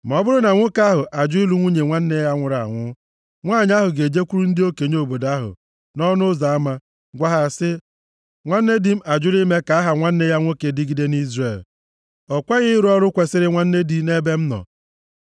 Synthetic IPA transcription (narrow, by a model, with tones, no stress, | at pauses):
m̩˨ɔ˦bʊ˦ɾʊ˦na˨ŋʷʊ˦ka˦ɦʊ˨ʔa˨d͡ʒʊ˦i˦lu˦ŋʷu˦ɲe˨ŋʷa˦n̩˦ne˦ja˦ŋʷʊ˨ɾa˨ŋʷʊ˦ | ŋʷaː˦˨ɲ˦a˦ɦʊ˨ɡe˨d͡ʒe˦kʷu˦ɾu˦n̩˦dɪ˦o˦ke˨ɲ˦o˨bo˨da˦ɦʊ̰˨ | nɔ˦nʊ˦za˨a˦ma˦ | ɡʷa˦ɦa˨sɪ˦ | ŋʷa˦n̩˦ne˦di˦m̩˦a˨d͡ʒʊ˦li˦me˦ka˨˦a˦ɦa˨ŋʷa˦n̩˦ne˦ja˦ŋʷo˦ke˨dɪ˦ɡi˦de˦n˦i˦zre˨l | ɔ˨kʷa˦ɣɪ˦ɾɔ˦ɾʊ˦kʷe˨sɪ˦ɾɪ˦ŋʷa˦n̩˦ne˦di˨ne˦be˦m̩˦nɔ̰˨